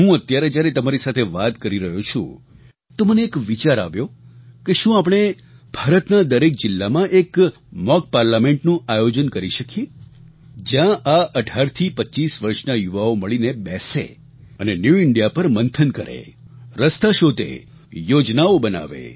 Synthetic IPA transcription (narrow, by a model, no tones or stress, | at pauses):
ɦũət̪jaɾed͡ʒjaɾet̪əmaɾisat̪ʰeʋat̪kəɾiɾəɦot͡ʃʰṵ̃ | t̪oməneːkʋit͡ʃaɾa̰ʋjokeʃũapɽ̃e | bʱaɾət̪nad̪əɾek̚d͡ʒɪlːamãʔek | mɔk̚paɾlamẽɳʈnũajod͡ʒənkəɾiʃəkʰie | d͡ʒjãʔaʔəɖʱaɾt̪ʰipətːt͡ʃisʋəɾʃnajuʋaoməɭinebɛsḛ | ənenjuɪɳɖijapəɾmənt̪ʰənkəɾḛ | ɾəst̪aʃod̪ʱḛ | jod͡ʒnaobəna̰ʋḛ